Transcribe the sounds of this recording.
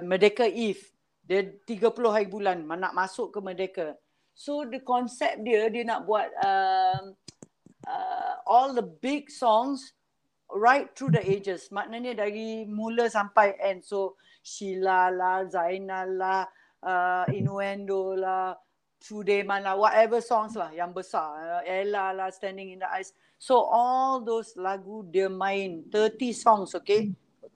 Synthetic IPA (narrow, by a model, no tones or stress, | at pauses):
mədekəif | diət̪iɡəpulʊhɦaɾibulanmanaʔmasʊʔkəmədekə | sodəkɔnsɛp̚diədiənaʔbuat̚əm | ʔəɔldəbiɡsɔ̃ŋs | ɹajt̪ːɾudəed͡ʒəsmaʔnəɲədaɾimuləsampajʔɛ̃nso | ʃilalahzajnalah | ʔəinuɛ̃ndolah | t̪ʰɹudemãnlawɔtɛvəsɔ̃ŋslahjaŋbəsaɛlalahstɛ̃ndɪ̃ŋĩndəʔajsː | oʔɔld̪oslaɡudɛmãj̃nt̪ət̪isɔ̃ŋsoke